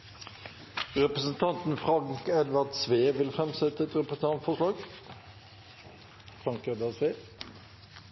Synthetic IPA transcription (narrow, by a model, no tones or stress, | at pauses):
ʁɛpʁəsənt̪ʰɑnt̪n̩fʁɑŋkɛd̪ʋɑʁd̪sʋeːʋɪlfʁɛmsɛt̪əɛt̪ʁɛpʁəsn̩ɑnt̪fɔʂlɑːɡ̥ | fʁɑŋkɛd̪ʋɑd̪sʋeː